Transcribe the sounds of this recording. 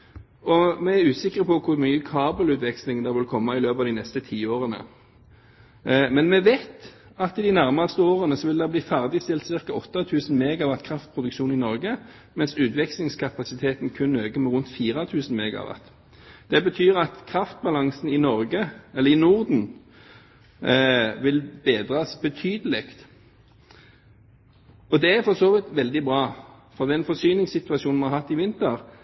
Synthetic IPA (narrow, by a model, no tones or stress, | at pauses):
ɔmɛæɾʉːsɪkːəʁpʰɔkʰʊʁmyːəkʰɑːbəlʉːt̪ʋɛkslɪŋd̪ɛʁʋɪlkʰɔmːɑɪløːpɑːʋd̪ɪnɛst̪ət̪ʰiːoːʁənə̰ | mɛnmɛʋeːt̪ | ɑt̪ɪd̪ɪnæʁmɑʁst̪əoːʁənəsɔʋɪld̪ɛʁbliːfæʁd̪ɪst̪ɪlt̪sɪʁkɑɔt̪ːɑt̪ʰʉːsn̩meːɡɑʋɑt̪kʰʁɑft̪̚pʰʁʊd̪ʉkʃuːnɪnɔʁɡə | mɛnsʉːt̪ʋɛkslɪŋskʰɑpɑsɪt̪ʰeːt̪nkʰʉnøːɡəmɛʁʉnt̪fiːʁɑt̪ʰʉːsn̩meːɡɑ̰ʋɑ̰t̪ | d̪̥ɛbət̪ʰyːɾɑt̪kʰʁɑft̪̚bɑlɑŋsn̩ɪnɔɾɡəɛlːəɾɪnuʁd̪n̩ | ʋɪlbeːd̪ʁɑsbət̪ʰyːd̪əlɪkt̪ | ɔd̪ɛæfɔʁsoːʋɪt̪ʋɛld̪ɪbʁɑː | fɔʁd̪ɛnfɔsyːnɪŋsɪt̪ʉɑʃuːnmɑɾhɑt̪ːɪʋɪnt̪əʁ